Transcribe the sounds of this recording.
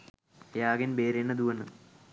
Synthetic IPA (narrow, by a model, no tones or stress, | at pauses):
jaːɡɐnbeːɾenːɐd̪uʋɐnːɨ